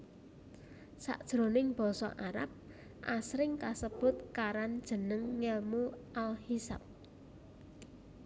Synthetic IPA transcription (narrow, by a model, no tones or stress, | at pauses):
sa̰ʔd̥ʒ̥ɾonɪŋb̥ɔ̤sɔ̰ʔaɾa̰p̚ | ʔasɾɪŋkasəb̥ʊ̤t̪̚kaɾand̥ʒ̥ə̤nəŋːɛlmuʔalhisa̰p̚